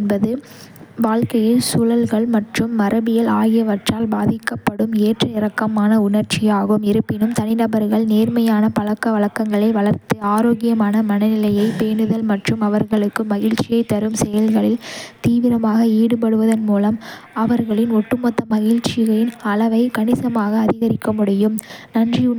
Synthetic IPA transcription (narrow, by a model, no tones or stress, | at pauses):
ɛnbɐðɯ | ʋaːɻkɐjɪlsʊɻɐlɣɐɭmɐʈrɯmːɐɾʔɐbɪjɐlaːɣɪjɐʋɐʈraːlbaːðɪkːɐpːɐɽɯmeːʈrɐɪɾɐkːɐmaːnɐʊnɐɾt͡ʃɪjaːɣɯmɪɾɯpːɪnɯmt̪ɐnɪnɐbɐɾɣɐɭneːɾmɐjaːnɐpɐɭɐkːɐʋɐɭɐkːɐŋɡɐɭɐɪʋɐɭɐɾt̪ɯaːɾoːɣɪjɐmaːnɐmɐnɐnɪlɐjɐɪpeːɳɯðɐlmɐʈrɯmɐʋɐɾɣɐɭɯkːɯmɐɣɪɻt͡ʃɪjɐɪt̪ːɐɾɯmsɛjɐlɣɐɭɪlt̪iːʋɪɾɐmaːɣɐiːɽɯp̬ɐɽɯʋɐðɐnmuːlɐm | ɐʋɐɾɣɐɭɪnɔʈːɯmɔt̪ːɐmɐɣɪɻt͡ʃɪɣɐɭɪnɐlɐʋɐɪkɐɳɪsɐmaːɣɐːðɪɣɐɾɪkːɐmʊɽɪjɯmnɐndri